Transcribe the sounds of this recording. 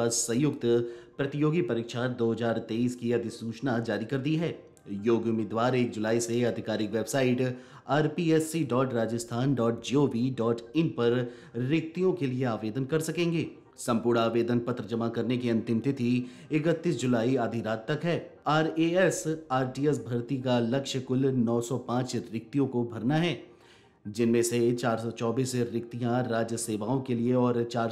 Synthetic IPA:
aːd͡ʒsɐ̃jʊkt̪pɾɐt̪ɪjoːɡipɐɾiːkʃad̪oːɦɐzaːɾt̪eːiːskiɐd̪ʱɪsuːt͡ʃnad͡ʒaːɾikɐɾd̪iɦɛː | joːɡʊmɪːd̪ʋaːɾeːk̚d͡ʒʊlaːiseɐd̪ʱɪkaːɾɪkʋeːbsaːɪʈ | aːɾpiːɛsiɖɔːʈɾaːd͡ʒəst̪ʰaːnɖɔːʈ̚d͡ʒiːoːʋiɖɔːʈɪ̃mpɐɾː | ɪk̚t̪ijõkelieaːʋeːd̪ənkɐɾsɐkẽːŋɡeː | sɐ̃mpʊːɾɽaːʋeːd̪ənpɐt̪ɾəd͡ʒɐmakɐɾnekeɐ̃nt̪ɪmt̪ɪt̪ʰi | ɪkət̪ːiːs̬d͡ʒʊlaːiaːd̪ʱiɾaːt̪ːɐkɦɛːaːɾeːɛsaːɾʈiːɛsbʱɐɾt̪ikalɐkʃəkʊlnɔːsɔpãːt͡ʃɾɪk̚t̪ijõkobʱɐɾnaɦɛː | d͡ʒɪnmẽset͡ʃaːɾsɔt͡ʃɔːbiːsɾɪk̚t̪ijãɾaːd͡ʒjəseːʋaːõkelieɔːɾt͡ʃaːɾ

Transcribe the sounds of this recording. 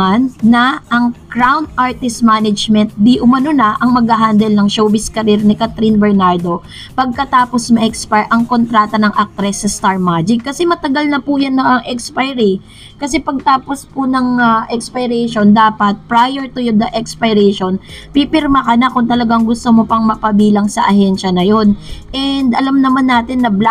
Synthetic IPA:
anːɐʔɐŋkɾawnd̪̚ʔaɹt̪ɪst̪manɐd͡ʒmɛnt̪̚d̪iʔʊmɐnonɐʔɐŋmɐɡhaɦaːnd̪ɛlnɐŋʃoːbɪskɐɾiɾnɪkat̪ɾinbɛɹnaɹd̪o̞ | pɐɡ̚kɐt̪aːpo̞smɐʔɛkspaɹʔɐŋko̞nt̪ɾaːt̪ɐnɐŋʔɐk̚t̪ɾɛsːɐst̪aɹmad͡ʒɪkːɐsɛmɐt̪ɐɡalnɐpʊjɐnːɐɐŋʔɛkspajɾi | kɐsɛpɐɡ̚t̪aːpo̞spʊnɐŋaʔɛkspɐjɾɛjʃo̞nd̪aːpɐt̪̚pɾajɛɹt̪ʊjod̪ɐʔɛkspɐjɾɛjʃonpipɪɾmɐkɐnakʊŋt̪ɐlɐɡaŋɡʊst̪omopɐŋmɐpɐbiːlɐŋsɐʔɐhɛnʃɐnɐjo̞nʔɛnd̪ʔɐlamnɐmanːaːt̪ɪnːɐbl

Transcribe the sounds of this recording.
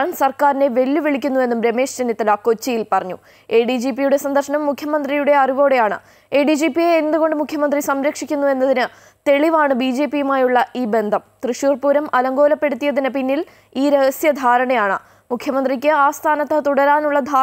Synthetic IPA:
nsɐrkaːɾine̞ʋe̞lːuʋiɭikʲːunːue̞nːumɾe̞me̞ːʂt͡ɕɐnjɐt̪ːilaːko̞t͡ɕːijilpɐrɐɲːu | eːɖid͡ʑiːpːijuɽe̞sɐnd̪ɐrʂɐnɐmːukʰjɐmɐnd̪rijuɽe̞ɐriʋo̞ːɽe̞jaːɳɨ̰ | e̞ːɖid͡ʑiːpːijeːnd̪uɣo̞ɳɖɨmukʰjɐmɐnd̪risɐmɾɐkʂikʲːunːue̞nːɐðinɨ | t̪e̞ɭiʋaːɳɨbiːd͡ʑe̞ːpːijumaːjuɭːɐʔiːbe̞nd̪ʱɐmt̪riʂjuːrpuːɾɐmɐlɐŋɡo̞ːlɐpːe̞ɽut̪ːijɐðinɨpinːil | iːɾe̞ɣɐsjɐd̪ʱaːɾɐɳɐjaːɳɨ̰ | mukʰjɐmɐnd̪rik̬ʲːɨaːst̪ʰaːnɐt̪ːɐt̪uɽɐɾaːnuɭːɐd̪ʱaː

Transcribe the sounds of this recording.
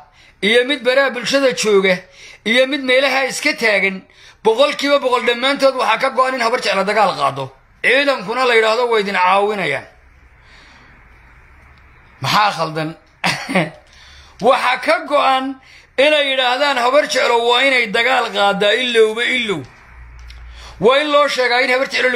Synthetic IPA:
ʔijɔmɪd̪̚bɐɾabʊlʃɐðɐt͡ʃɔːɣɐijɔmɪd̪mɛːlɐɦɐɪskʰɐt̪ʰaːɣɐn | b̥ɔqɔlkʰiːβɐbɔqɔlɖɐmːaːnt̪ʰɔːd̪wɑħɑkʰɐɡɔanɪnhɐβɐrt͡ʃɛʕlɐd̪ɐɣaːlqɑ̰ːd̪ɔ | ʕiːðɐmkʰʊnɐlɐjɪɽaːhðɔwɑɪðɪnʕɑːwɪnɐja̰ːn | mɑħɑːχɐld̪ɐn | wɑħɑkʰɐɡɔʔan | ɪnɛjɪɽaːhðaːnhɐβɐrt͡ʃɛʕlɔwɑːɪnɛjd̪ɐɣaːlqɑːd̪aɪlːɔwβɛɪlːɔw | wɑːɪnlɔːʃɛːɣaːɪnhɐβɐrt͡ʃɛʕlɔ

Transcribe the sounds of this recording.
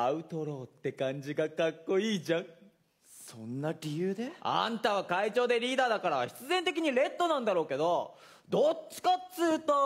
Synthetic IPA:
aɯ̟t̪o̞ɾo̞ːt̪ːe̞kãɲ̟d͡ʑiɡakakːo̞iːʑãŋ | sõnːaɾʲijɯːd̪eã̰nt̪aβakait͡ɕo̞ːd̪e̞ɾʲiːd̪aːd̪akaɾaɕi̥t͡sɨzẽ̞nt̪e̞kʲiɲ̟iɾe̞t̪ːo̞nãnd̪aɾo̞ːke̞d̪o̞ | d̪o̞t͡ɕːi̥kat͡sɨːt̪o

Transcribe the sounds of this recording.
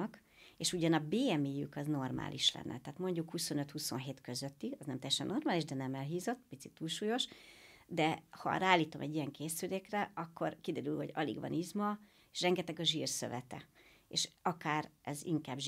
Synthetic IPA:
k | eːʃuɟɒnɒbeːɛmeːjykɒzno̞rma̰ːlʔiʃlɛ̰nːɛ̰t̪aːt̪mo̞ɲɟukhuso̞nøt̪huso̞nɦeːt̪kø̞zøt̪ːiɒznɛmt̪ɛjɛʃɛnːʔo̞rmaːliʒd̪ɛnɛmɛlɦiːzo̞t̪ːpit̪sit̪ːuːlʃuːjo̞ʃd̪ɛhɒ̰raːlːiːt̪o̞mʔɛɟːijɛŋkeːsyleːkrɛɒkʰːo̞̰rkid̪ɛɾylho̞ɟɒ̰lḭɡʋɒ̰nizmɒ | eʃrɛŋɡɛt̪ɛɡɒʒiːrsø̰vɛt̪ɛ̰ | ḛːʃɒkaːrɛziŋkaːbʒ

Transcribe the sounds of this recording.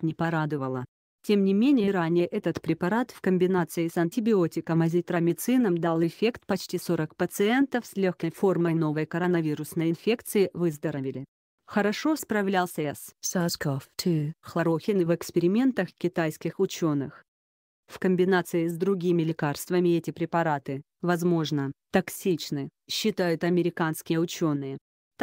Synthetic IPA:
nʲɪpɐɾad̪ɨvəlˠə | tʲe̞mnʲɪmʲenʲɪjəɾanʲɪjəʔɛt̪ət̪pɾʲɪpɐɾat̪fkəmʲbʲɪnat̪sɨɪsɐnʲtʲɪbʲɪo̞tʲɪkəmɐzʲɪt̪ɾɐmʲɪt̪sɨnəmd̪alˠɪfʲe̞kt̪pɐt͡ɕtʲiso̞ɾəkpət̪sɨɛnt̪əfsʲlʲoxkəjfo̞rməjno̞vəjkəɾɐnɐvʲiɾʊsnəjɪnfʲe̞kt̪sɨɪvɨzd̪əɾəvʲɪlʲɪ | xəɾɐʂo̞spɾɐvlʲalˠsʲɛssaskoftʰɨxlˠɐɾoxʲɪnɨvɨkspʲɪɾʲɪmʲe̞nt̪əxkʲɪt̪ajskʲɪxʊt͡ɕo̞nɨ̰x | fkəmʲbʲɪnat̪sɨɪzd̪ɾʊɡʲimʲɪlʲɪkarst̪vəmʲɪɛtʲɪpɾʲɪpɐɾat̪ɨ | vɐzmo̞ʐnət̪ɐksʲit͡ɕnɨɕːɪt̪ajʊt̪ɐmʲɪɾʲɪkanskʲɪjəʊt͡ɕo̞nːɨjə | t̪

